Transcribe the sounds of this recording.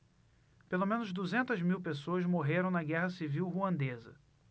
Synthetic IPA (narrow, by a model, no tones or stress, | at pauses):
pelomẽnʊzd̪uzẽnt̪ɐzmiwpesoɐzmoɦeɾɐ̃w̃nɐɡɛɦɐsiviwɦuɐ̃nd̪ezɐ̰